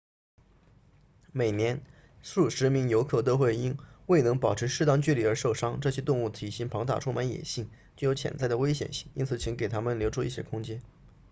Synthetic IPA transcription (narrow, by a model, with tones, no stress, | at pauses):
me˨˩ɪnjɛ˧˥n | ʂu˥˩ʂɻ̩˧˥mi˧˥ŋjo˧˥ʊkʰɤ˥˩t̪̬o˥ʊxwe˥˩ɪi˥nwe˥˩ɪnɤ˧˥ŋpɑ˨˩ʈ͡ʂʰɻ̩˧˥ʂɻ̩˥˧t̪ɑ˥˧ŋt͡ɕy˥˩li˨˥˩ə˞˧˥ʂo˥˩ʊʂɑ˥ŋʈ͡ʂɤ˥˩ɕjɛ˥t̪ʊ˥˧ŋu˥˩t̪ʰi˨˩ɕi˧˥ŋpʰɑ˧˥ŋt̪a̰˥˧˩ʈ͡ʂʰu˥˩ma˧˥njɛ̰˨˩nɕi˥˩ŋt͡ɕjo˥˩jo˧˥ʊt͡ɕʰjɛ̰˥nt͡sa˥˩ɪd̪ə˩we˥ɪɕjɛ̰˨˩nɕi˥˩ŋi˥nt͡sʰɹ̩˨˩t͡ɕʰi˧˥ŋke˨˩ɪt̪ʰa˥mə˨nljo˧˥ʊʈ͡ʂʰu˥i˥˩ɕjɛ̰˥kʰʊ˥ŋt͡ɕjɛ˥n